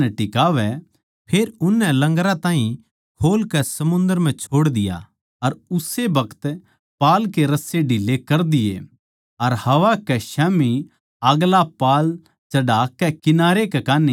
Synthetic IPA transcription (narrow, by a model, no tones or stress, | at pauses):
ɛʈɪkaːʋɛ | pʰeːɾʊnːɛlɐ̃ŋɡɾãt̪ãːɦĩ | hoːlkɛsɐmʊ̃nd̪əɾm̤ɛ̃t͡ʃʰoːɽd̪ɪja̰ | ɐɾʊsebɐkʰə̥t̪ | paːlkeɾɐseɖʱiːlekɐɾd̪ɪjḛ | ɐɾhɐʋakɛʃɛːmi | aɡlapaːl | t͡ʃɐɖaːkːɛkɪnaːɾekɛkaːne